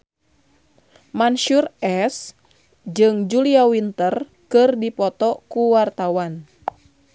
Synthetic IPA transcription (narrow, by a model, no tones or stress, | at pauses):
manʃurɛs | d͡ʒɨŋd͡ʒuliawint̪ər | kɨrdipɔt̪ɔkuwart̪awan